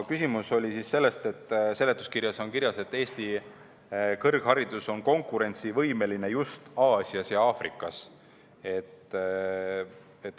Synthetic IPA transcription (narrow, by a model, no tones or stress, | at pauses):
kysʲimuso̞lʲisisse̞lːe̞st̪e̞t̪ːse̞let̪ːˑu̥skirjɑso̞ŋkiɾjɑse̞t̪ːe̞ːst̪i | kɤrɡ̥hɑɾid̪̥uso̞nko̞ŋkːˑuɾe̞nʲt̪sivɤ̞jme̞line̞just̪ɑːsʲiɑsjɑɑːfrḭkːˑɑs | e̞t̪ | et̪ː